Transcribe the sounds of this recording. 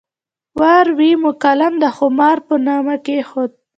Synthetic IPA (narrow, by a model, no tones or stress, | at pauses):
waɾwimʊkalamd̪əxʊmɑɾpənɑmakexod̪̚